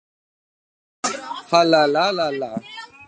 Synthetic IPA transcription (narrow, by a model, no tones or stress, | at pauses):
falalalala